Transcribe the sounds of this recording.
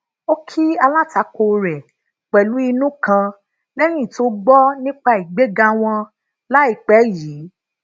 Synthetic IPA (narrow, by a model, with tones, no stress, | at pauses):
o˦kʰi˦a˧la˦ta˨˦ko˧ɾɛ˨ | k͡pɛ˨lu˨˦i˧nũ˦kã˧ | lɛ˦j̃ĩ˦˨to˦ɡ͡bɔ˦nĩ˦k͡pa˦˧i˨ɡ͡be˨˦ɡa˧w̃ɔ̃˧ | la˦i˨k͡pɛ˨˦jiː˨˦